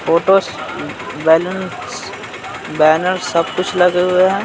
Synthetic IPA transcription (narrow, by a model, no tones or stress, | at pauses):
foːʈoːs | bɛːlə̃nss | bɛːnəɾsɐb̚kʊt͡ʃʰlɐɡeɦʊeɦɛ̃ː